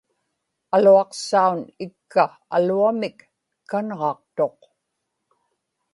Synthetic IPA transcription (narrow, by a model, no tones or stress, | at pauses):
aluɑqsaunɪkːa | a̰luamɪk | kːanʁɑqt̪o̞q